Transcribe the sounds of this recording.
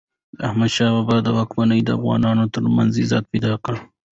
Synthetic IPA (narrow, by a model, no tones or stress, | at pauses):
ahmad̪ʃɑwabɑd̪əwɑkmanəjd̪əa̰fɣɑ̰nɑnot̪əɾma̰nzizɑ̰t̪̚pajd̪ɑkaɽ